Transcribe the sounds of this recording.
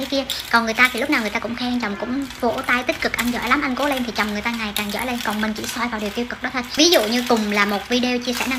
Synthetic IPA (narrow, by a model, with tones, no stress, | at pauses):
ə˨˦jki˧əkɔ˨˩nŋɨ˨˩əjt̪aː˧t̪ʰi˨˩lk͡p̚naː˨wŋɨ˨˩jt̪aː˧kʊ˧˥ŋ͡mxʰɛ˧ŋt͡ɕɔ˨˩wŋ͡mkʊ̰˧˥ŋ͡mvo̰˧˩t̪a˧jt̪i˦˥t̚kɨ˨˩k̚ʔa˧nzɔ̰˧˥˨jla˨˦mʔa˧jŋ̟ko˨˦le˧nt̪ʰi˨˩t͡ɕɔ˨˩wŋ͡mŋɨ˨˩əjt̪aː˧ŋa˨˩jkaː˨˩ŋzɔ̰˧˥jle˧nkɔ˨˩nmï˨˩ŋ̟t͡ɕḭ˧˩sɔ˧jvaː˨˩wɗi˨˩əwt̪i˧əwkɨ˨˩k̚ɗɔ˨˦t̪̚ʰːvi˨˦zṵ˧˨ɲɨ˧kʊ˨˩ŋ͡mlaː˨˩mo˨˩t̚vi˧ɗe˧wt͡ɕi˧əsɛ̰˧˩na˧